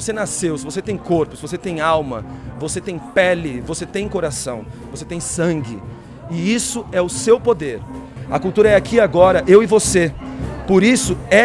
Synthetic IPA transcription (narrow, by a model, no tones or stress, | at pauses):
osenasewsɪvoset̪ẽj̃koɾpʊ̥sɪvos̬et̪ẽj̃awmɐvoset̪ẽj̃pɛlɪvoset̪ẽj̃koɾasɐ̃w̃voset̪ẽj̃sɐ̃ɡɪ̰ | ɪisʊɛʊsewpod̪eɾ | ɐkuwt̪uɾɐɛakʰiaɡɔɾɐʔewɪvosepoɾisʊɛ